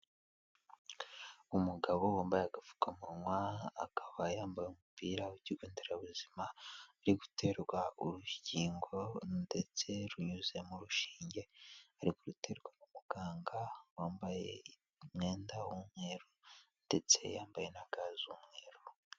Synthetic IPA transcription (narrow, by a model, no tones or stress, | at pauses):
umuɡaβo̞woːmbajeaɡafu̥kamuŋwaa̰kḁβajaːmbajumupiːɾauciɡoːndeɾaβuzimaːɾiɡutʰe̞ɾɡwauɾuciːŋɡo̞nde̞t͡se̞ɾuɲuze̞muɾuʃiːɲɟe̞aɾikoɾute̞ːɾɡwanumuɡ̥aːŋɡawaːmbajḛ | mŋe̞ːndawumŋeːɾonde̞t͡se̞̰jaːmbaje̞naɡazumŋeːɾo